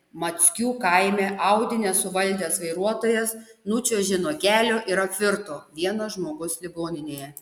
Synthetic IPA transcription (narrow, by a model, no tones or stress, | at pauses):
mɐt̪sʲkʲuːkɐɪmʲɛʔɐʊd̪ʲɪnʲɛsʊʋɐlʲd̪ʲeːsʋɐɪɾuɔt̪oːjɛsnut͡ʃʲoːʒʲɪnoːɡʲæːlʲoːʔiɾɐpʲʋʲɪɾt̪oːʋʲiɛnoːʒmoːɡʊslʲɪɡoːnʲɪnʲeːjɛ